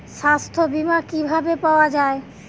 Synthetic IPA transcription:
ʃast̪ʰobimakibʱabepaoad͡ʑae

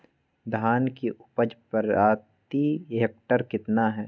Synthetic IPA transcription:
d̪ʱaːnkiʔʊpəd͡ʒpəɾaːt̪iɦeːk̚ʈəɾkɪt̪naɦɛː

